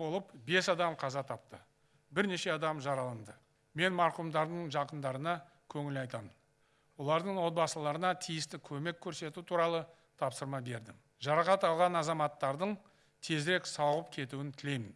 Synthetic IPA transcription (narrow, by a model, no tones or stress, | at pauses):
bolˠəpbe̞sɑd̪ɑmqʰɑzɑt̪ʰɑp̚t̪ə | bɪɾne̞ʃe̞ɑd̪ɑmʒɑɾɑlˠənd̪ə | me̞nmɑɾqumd̪ɑɾd̪əɴʒɑqənd̪ɑɾənɑ | kʲʰɵŋɪlɑjt̪ɑmən | wo̞lˠɑɾd̪əɴwo̞t̪̚bɑsəlˠɑɾənɑt̪ʰijɪst̪ɪkʲʰɵme̞kʲʰːɵɾse̞t̪ut̪ʰuɾɑlˠə | t̪ʰɑpsəɾmɑbe̞ɾd̪ɪm | ʒɑɾɑqɑt̪ɑlˠʁɑnɑzɑmɑt̪ːɑɾd̪əɴ | t̪ʰe̞zɾe̞ksɑwʁəpkʲʰe̞t̪uwɪnt̪ʰɪle̞mɪn